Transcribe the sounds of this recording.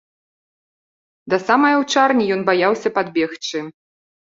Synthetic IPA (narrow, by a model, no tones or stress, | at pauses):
d̪ɐsamɐjɐwt͡ʂarnʲijɔnbajawsʲɐpad̪̚bʲɛxt͡ʂɨ